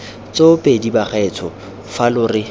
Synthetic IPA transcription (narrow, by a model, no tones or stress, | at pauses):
t͡sopʼedibaχɛt͡sʰɔ | falʊrɪ